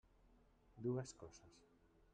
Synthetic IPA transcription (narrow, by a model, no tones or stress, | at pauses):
d̪uaskosas